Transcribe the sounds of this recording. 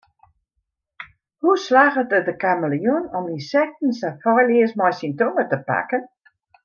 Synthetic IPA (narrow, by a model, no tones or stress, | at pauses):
huslaːɣətədəkaməlijunɔminsɛk̚tn̩sɛfɔjliəsmɔjsintoːmətəpa̰kən